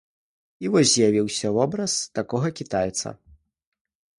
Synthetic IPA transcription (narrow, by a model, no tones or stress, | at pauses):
ivɔsʲzʲjavʲiwsʲɐvɔbɾɐst̪akɔɣɐkʲit̪ajt̪sɐ̰